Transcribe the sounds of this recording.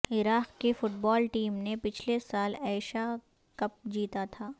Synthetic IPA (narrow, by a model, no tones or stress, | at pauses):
ɪɾaːqkefʊʈbɔːlʈiːmnepɪt͡ʃʰlesaːlɛːɪʃa | kɐp̚d͡ʒiːt̪at̪ʰaː